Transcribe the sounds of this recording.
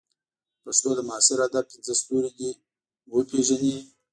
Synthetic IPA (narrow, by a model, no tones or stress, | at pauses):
paʂt̪od̪əmʊɑsɪɾad̪ab̚pinzəst̪uɾid̪i | wəpeʒani